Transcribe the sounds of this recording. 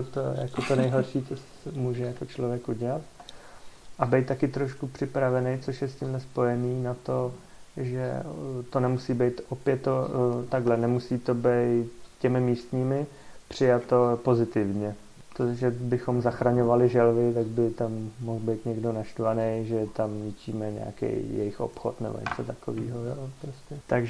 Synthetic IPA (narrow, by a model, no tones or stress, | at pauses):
ot̪ojakot̪o̞nɛjɦoɾʃiːt͡sos | muːʒɛjako̞t͡ʃlo̞vjɛkuɟɛlat̪ | ʔabɛjt̪̚t̪ːakɪt̪ɾo̞ʃkupr̝̥ɪpɾavɛnɛjt͡soʃjɛscɪmɦlɛspo̞jɛniːnat̪o̞ʒɛ̰t̪o̞nɛmusiːbɛjt̪ʔopjɛt̪ːot̪aɡɦlɛnɛmusiːt̪o̞bɛjt̪cɛmɪmiːst̪ɲiːmɪ | pr̝̥ɪjat̪o̞po̞zɪt̪ɪvɲɛ | t̪oʒɛbɪxo̞mzaxɾaɲo̞valɪʒɛlvɪt̪aɡ̚bɪt̪amːoɦlbɛjt̪ɲɛɡdo̞naʃt̪vanejʒɛt̪amɲɪciːmɛɲɛ̰a̰kḛjjɛ̰jɪxʔo̞̰pxo̞̰t̪nɛ̰bo̰ɲɛ̰t͡sot̪akovḭːɦojopɾoscɛt̪aɡʒ